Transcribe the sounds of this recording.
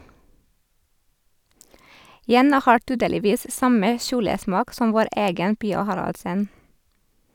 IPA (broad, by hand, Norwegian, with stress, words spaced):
ˈjɛnɑ ˈhɑːɹ ˈtyːdəlɪˌʋiːs ˈsɑmə ˈʃuːləˌsmɑːk ˈsɔm ˈʋoːɾ ˈeːɡən ˈpiːɑ ˈhɑɾɑldsən